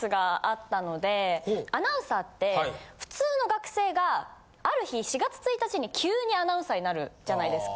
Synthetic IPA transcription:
sɨɡaat̪ːano̞d̪e̞anãɯ̃sat̪ːe̞ɸɯ̟̥t͡sɨːno̞ɡakɯ̟̥se̞ːɡaː | ɾɯ̟çiɕiɡat͡sɨ̥t͡sɨit̪at͡ɕiɲ̟ikʲʰɨːɲ̟ianãɯ̟̃saɲ̟inaɾɯ̟d͡ʑanaid̪e̞sɨ̥ka

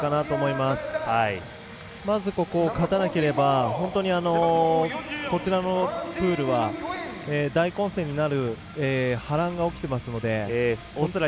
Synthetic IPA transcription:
kanat̪o̞ːmo̞imasɨ̥ai | mazɨko̞ko̞ːkat̪anake̞ɾe̞baɦõ̞nt̪o̞ɲ̟iano̞ | ko̞t͡ɕiɾano̞pɯ̟ːɾɯ̟βa | eːd̪aikõ̞ɰ̃sẽ̞ːɲ̟inaɾɯ̟ | eːhaɾãŋɡao̞kʲi̥t̪e̞masɨno̞d̪e̞ | o

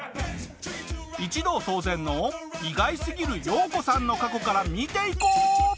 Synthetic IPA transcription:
it͡ɕid̪o̞ːso̞ːzẽ̞nːo̞iɡaisɨɡʲiɾɯ̟jo̞ːko̞sãnːo̞kako̞kaɾamʲit̪e̞ikoː

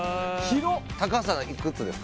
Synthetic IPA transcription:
çiɾot̪akas̬anaʔikɯ̟t͡sɨd̪esɨ̥k

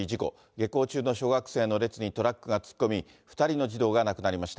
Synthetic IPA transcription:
id͡ʑiko̞̰ | ɡe̞ko̞ːt͡ɕɨːno̞ɕo̞ːɡakɯ̟̥se̞ːno̞ɾe̞t͡sɨɲ̟it̪o̞ɾakːɯ̟ɡat͡sɨ̥kːo̞mʲi | ɸɯ̥t̪aɾʲino̞d͡ʑid̪o̞ːɡanakɯ̟naɾʲimaɕi̥t̪a

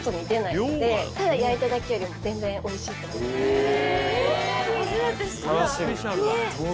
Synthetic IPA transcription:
t̪omʲit̪e̞naid̪e̞t̪ad̪ajait̪ad̪ake̞jo̞ɾʲimo̞zẽ̞nd͡zẽ̞ɰ̃ʔo̞iɕiːt̪oko | d̪s | ne

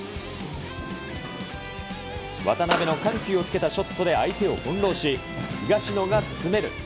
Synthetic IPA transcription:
βa̰t̪anabe̞no̞kãŋkʲɨːo̞t͡sɨ̥ke̞t̪aɕo̞t̪ʰːo̞d̪e̞ait̪e̞o̞hõ̞nɾo̞ːɕi | hɯ̟ɡaɕino̞ɡat͡sɨ̥sɨme̞ɾɯ̟

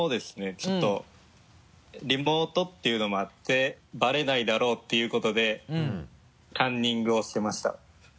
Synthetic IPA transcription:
moːd̪e̞sɨ̥ne̞t͡ɕo̞t̪ːo̞ | ɾʲimo̞ːt̪o̞t̪ːe̞jɯ̟no̞mo̞at̪ːe̞baɾe̞naid̪aɾo̞ːt̪ːe̞jɯ̟ːko̞t̪o̞d̪e̞ | k̪ãɲ̟ːĩŋɡɯ̟o̞ɕi̥t̪e̞maɕi̥t̪a̰

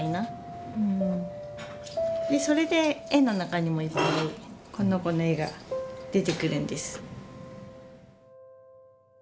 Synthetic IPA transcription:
ina | ɯ̟̃ɴ | d̪e̞so̞ɾe̞d̪e̞enːo̞nakaɲ̟imo̞ipːaɾikõ̞nːoko̞noe̞ɡa̰d̪̥e̞t̪e̞kɯ̟ɾɯ̟̃nd̪e̞sɨ̥

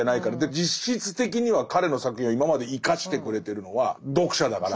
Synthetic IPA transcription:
anaikaɾad̪ed͡ʑiɕit͡sɨ̥t̪e̞k̬ʲiɲ̟iβakaɾe̞no̞sakɯ̟̥hĩoimamad̪e̞ikaɕi̥t̪e̞kɯ̟ɾe̞t̪e̞ɾɯ̟no̞βad̪o̞kɯ̟ɕad̪akaɾa

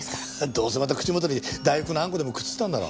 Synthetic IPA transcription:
d̪o̞ːsemat̪akɯ̟̥t͡ɕimo̞t̪oɲʲid̪aiokɯnãŋko̞d̪e̞mo̞kɯ̟̥t͡sɨ̥t̪ːãnd̪aɾo̰

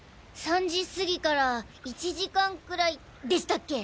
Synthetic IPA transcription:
sãɲ̟d͡ʑisɨɡʲikaɾa | it͡ɕiʑikãŋkɯ̟ɾai | d̪e̞ɕi̥t̪akːe̞

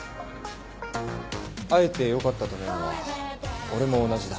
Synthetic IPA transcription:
ae̞t̪e̞jo̞kat̪ːat̪omona | o̞ɾe̞mo̞ːnaʑid̪a

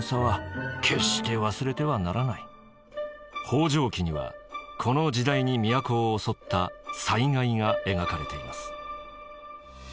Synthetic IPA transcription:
saβakʲʰe̞ɕi̥kʲeβasɨɾe̞t̪e̞βanaɾanai | ho̞ːʑo̞ːkʲiɲ̟iβa̰kʰo̞no̞d͡ʑid̪aiɲ̟imʲijako̞ːso̞t̪ːasaiŋaiŋae̞ɡakaɾe̞t̪e̞imasɨ̥

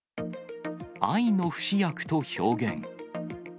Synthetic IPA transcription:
aino̞ɸɯ̟̥ɕijakɯ̟̥t̪o̞ço̞ːɡḛ̃ŋ

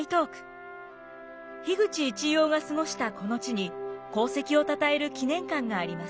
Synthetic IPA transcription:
it̪o̞ːkɯ̟̥ | çiɡɯ̟t͡ɕiːt͡ɕijo̞ːɡasɨŋo̞ɕi̥t̪ako̞no̞t͡ɕiɲ̟iko̞ːse̞kʲio̞t̪at̪ae̞ɾɯ̟kʲinẽ̞ŋkãŋɡaːɾʲimasɨ̥

